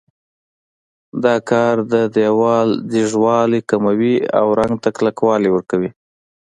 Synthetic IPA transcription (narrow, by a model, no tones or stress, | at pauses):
d̪ɑkɑɾd̪əd̪jawɑld̪iʒwɑlekamawia̰wɾaŋɡt̪aklakwɑlewəɾkawi